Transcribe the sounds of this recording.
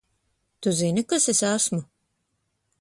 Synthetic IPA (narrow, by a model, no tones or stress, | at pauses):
t̪uzinʲikasesasmu